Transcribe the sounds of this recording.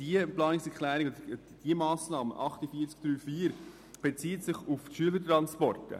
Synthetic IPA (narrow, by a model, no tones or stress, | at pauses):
d̥iəplɑːnɪŋsɛɾklæːɾiɡod | d̥iəmɑːsnɑːmə̰ʔɑχtəfiːt͡skd̥̪ɾyːfiːəɾ | b̥et͡siːətsɪχufʃyələɾtɾɑnspɔrtə̰